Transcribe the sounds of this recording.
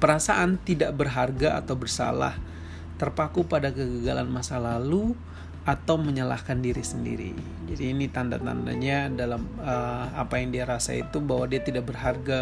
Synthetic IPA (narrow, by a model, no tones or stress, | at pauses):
pəɾasaʔant̪idaʔbərɦarɡaa̰t̪awbərsa̰la̰h | t̪ərpakupadakəɡəɡala̰nmasalalu | ʔat̪awməɲəla̰hkandiɾisəndḭɾḭ | d͡ʒadiːnit̪anda̰t̪a̰nda̰ɲadalaməapajaŋdiaɾasa̰ḭt̪ubaɦwadiat̪idaʔbərɦarɡa